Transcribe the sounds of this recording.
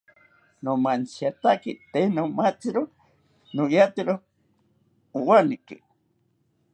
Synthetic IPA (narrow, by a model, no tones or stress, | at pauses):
nomansjat̪akit̪enomat͡siɾo | nojat̪iɾo | uwanikḭ